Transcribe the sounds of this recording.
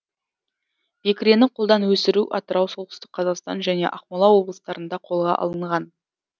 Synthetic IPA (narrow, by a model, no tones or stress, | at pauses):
b̥ekʲɾʲe̞nɪqʰolˠd̪ɑnwɵsɪɾuʔɑ̰t̪əɾɑwsolˠtɪ̥st̪ɪk̚qʰɑzɑqst̪ɑ̰nʒæne̞̰ʔɑχmɑlˠɑwo̞blˠəst̪ɑɾənd̪ɑqʰo̞lˠʁɑ̰ʔɑ̰lˠəɴʁɑn